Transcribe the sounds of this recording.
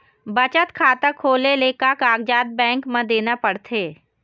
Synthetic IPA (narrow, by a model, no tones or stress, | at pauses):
bət͡ʃət̪kʰaːt̪əkʰoːleleːkakaːɡd͡ʒaːd̪̚bɛ̃ːŋkmẽd̪eːnapəɽt̪ʰeː